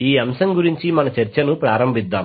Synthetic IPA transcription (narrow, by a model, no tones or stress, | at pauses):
iːɐmsɐmɡuɾiɲt͡ʃimɐnɐt͡ʃɐɾt͡ʃɐnupɾaːɾɐmbʱid̪ːaːm